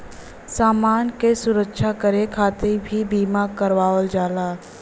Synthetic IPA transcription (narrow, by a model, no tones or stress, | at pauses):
saːmaːnkesʊɾəkʃakəɾekʰaːt̪ebʱibiːmakəɾʋaːʋəld͡ʒaːlaː